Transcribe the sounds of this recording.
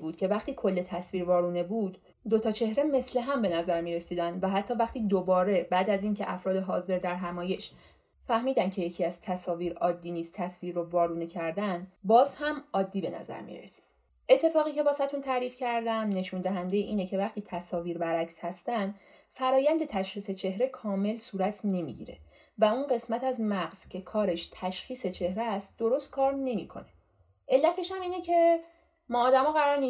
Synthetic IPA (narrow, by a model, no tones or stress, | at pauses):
buːd̪cʰe̞væχt̪iːkʰo̞lːe̞t̪ʰæsviːɾvɒːɾuːne̞buːd̪ː | o̞t̪ʰɒːt͡ʃʰe̞hɾe̞me̞sle̞ɦæmbe̞næzæɾmiːɾe̞siːd̪ænd̪væɦæt̪ʰːɒːvæχt̪iːd̪obɒːɾe̞bæːd̪æziːncʰeʔæfɾɒːd̪eɦɒːze̞ɾd̪æɾɦæmɒːje̞ʃ | fæhmiːd̪æncʰe̞jecʰiːæzt̪ʰæsɒːviːɾɒːd̪ːiːniːst̪ʰːæsviːɾːovɒːɾuːnecʰæɾd̪ænbɒːzhæmɒːd̪ːiːbe̞næ̰zæ̰ɾmḭɾḛsi̥d̪̥ | ʔe̞t̪ʰːe̞fɒːɣiːce̞bɒːsæt̪ʰunt̪ʰæɾiːfcʰæɾd̪æmne̞ʃund̪æɦænd̪ejeʔiːnecʰe̞væxt̪iːt̪ʰæsɒːviːɾbæɾæcshæst̪ænd̪ | fæɾɒːjænd̪e̞t̪ʰæʃχiːse̞t͡ʃʰe̞ɦɾe̞kʰɒːme̞lsuːɾæt̪ʰne̞mḭɟḭːɾe̞̰ | væunɢe̞smæt̪ʰæzmæɡz̥cʰe̞kʰɒːɾe̞ʃt̪ʰæʃxiːse̞t͡ʃʰe̞hɾeæst̪̚d̪̥o̞ɾo̞st̪̚kʰɒːɾne̞miːkʰo̞̰ne̞ | ʔe̞lːæt̪ʰe̞ʃhæmiːnecʰe̞ | mɒːd̪æmɒːɣæɾɒːɾni